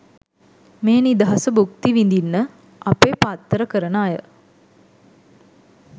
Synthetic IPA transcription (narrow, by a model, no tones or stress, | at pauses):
meːnid̪əɦɐsəbuk̚t̪iʋind̪inːə | apeːpat̪ːəɾəkəɾənaːjə